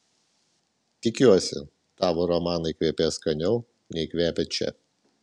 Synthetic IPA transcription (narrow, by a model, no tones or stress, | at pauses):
t̪ʲɪkʲuɔsʲɪ̰ | t̪ɑːʋoːɾɔmɑːnɐɪkʲʋʲiɛpʲeːskɐnʲɛʊ | nʲɛɪkʲʋʲæːpʲet͡ʃʲɛ̰